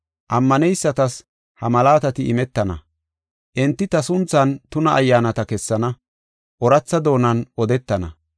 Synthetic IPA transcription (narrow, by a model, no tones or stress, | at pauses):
ʔɐmːɐnɛjsːɐt̪ɐs | hɐmɐlaːt̪ɐt̪ɪʔɪmɛt̪ːɐnɐ̰ | ʔɪnt̪ːɪt̪ɐsʊnt͡sːɐnt̪ʊnɐʔːjːaːnɐt̪ɐkɛsːɐnɐ | ʔɔɾɐt͡sːɐd̪o̞ːnɐnʔɔd̪ɛt̪ːɐnɐ̰